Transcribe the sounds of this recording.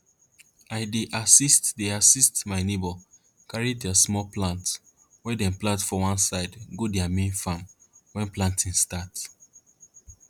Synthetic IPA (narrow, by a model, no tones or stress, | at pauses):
aɪdeʔasistdeasistmaɪnebɔ | kaɹidasmɔlplãnt | wɛdɛ̃nplãntfɔwãnsaɪdɡodɛamẽnfamwɛ̃nplãntʰĩnstat